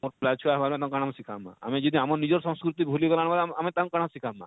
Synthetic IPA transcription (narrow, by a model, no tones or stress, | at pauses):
oɾplat͡ʃʰuaɦbaɾmẽt̪ãkaɽ̃amsikʰa̰mːã̰a̰mẽd͡ʒid̪ʱiamɔɾnid͡ʒɔɾsɔ̃ŋskɾut̪ibʱuliɡɔlaɽ̃malamẽt̪ãŋkaɽ̃ãsikʰamːã̰